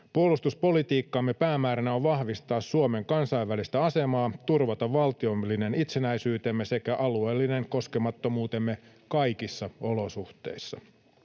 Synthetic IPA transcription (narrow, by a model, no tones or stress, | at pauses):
puolust̪uspo̞lit̪iːkːɑmːepæːmæːɾænæoʋʋɑhʋist̪ɑːsːuome̞ŋkɑnsɑiʋːælist̪æɑse̞mɑːt̪urʋɑt̪ɑʋʋɑlt̪io̞lːine̞nit̪senæisyːt̪emːese̞kæʔɑlue̞ːlːineŋko̞skemɑt̪ːomuːt̪emːe̞ | kɑjkisːɑo̞losuht̪ḛisːɑ̰